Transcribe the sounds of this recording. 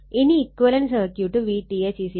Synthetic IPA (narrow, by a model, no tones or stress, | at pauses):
iniːkʋəlɐnsəkjuʈuʋiʈiet͡ɕisi